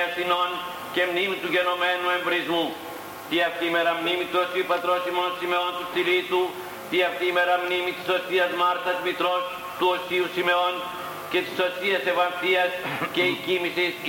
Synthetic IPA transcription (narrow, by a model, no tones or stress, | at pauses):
asinon | kemnimit̪uɡenomɛnuẽmbɾizmu | t̪iak̪imeɾamnimit̪uosiupat̪ɾosimonsimeont̪ust̪iɾit̪u | t̪iak̪imeɾamnimit̪i̥sosiɐzmaɾt̪ɐsmit̪ɾos | t̪uosiusimeon | ket̪i̥sosiɐseβant̪iɐskeikimisis